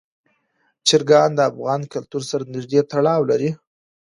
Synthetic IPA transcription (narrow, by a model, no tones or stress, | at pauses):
t͡ʃɪɾɡɑnd̪əafɣɑnkalt̪uɾsaɾanɪʒd̪et̪aɽɑwlaɾi